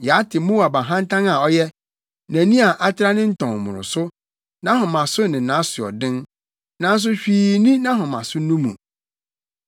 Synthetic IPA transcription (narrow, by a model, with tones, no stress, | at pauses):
jɛ˨a˦tʰɪ˨mũ˦a˨ba˨ɦã˦n˦tʰã˦na˨ɔ˦jɛ˦ | næ̃˨nĩ˦a˨ʔa˦tʰɪ˦ɾa˦nɪ̃˦n̩˦tʰɔ̃˨ŋ˨mʊ̰̃˨ɾʊ̰˨sʊ˦ | nã˦ɦʊ̃˨mã˨sʊ˦nɪ̃˨nã˨˦sʊ˨ɔ̰˨dɪ̃˦n | nã˨˦n̩˦s̬ʊ˦ɕᶣiː˨nĩ˦nã˦ɦʊ̃˨mã̰˨sʊ˦nũ˦mṵ̃˨